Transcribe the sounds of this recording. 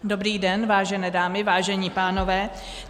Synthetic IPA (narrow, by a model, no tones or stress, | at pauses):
dobɾiːdɛnvaːʒɛnɛːdaːmɪvaːʒɛɲiːpaːno̞vɛː